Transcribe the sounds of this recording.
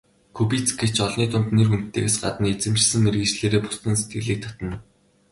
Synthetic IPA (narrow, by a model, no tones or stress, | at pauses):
kʰupit͡sɡet͡ɕɔɮniːt̪ʰʊnt̪nerxun̥t̪ːḛːɣesɢa̰t̪ə̆net͡sɘ̆mt͡ɕsɘ̆ŋːerɣɘ̆t͡ɕɮeːɾeːpʊ̥st̪ə̆nset̪̚ɡɘ̆ɮiːk̚t̪ʰḁt̪ə̆n